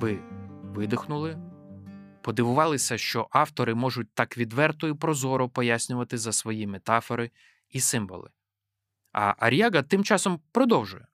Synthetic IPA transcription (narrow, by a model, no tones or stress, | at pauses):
ʋɪʋɪd̪ɪxnʊlˠɪ | pɔd̪ɪʋʊʋɑlˠɪsʲɐʃt͡ʃɔʔɑft̪ɔɾɪmɔʒʊt̚ʲt̪ɑkʋʲid̪ʋɛrt̪ɔjʊpɾɔzɔɾʊpɔjasʲnʲʊʋɐt̪ɪzɐsʋɔjimet̪ɑfɔɾɪ | isɪmʋɔ̰lˠɪ̰ | ɐ̰ʔɐɾʲjɑɡɐt̪ɪmt͡ʃɑsɔmpɾɔd̪ɔwʒʊjɛ